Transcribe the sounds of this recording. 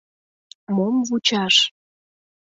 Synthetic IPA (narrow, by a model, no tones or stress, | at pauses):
momvut͡ɕɑʃ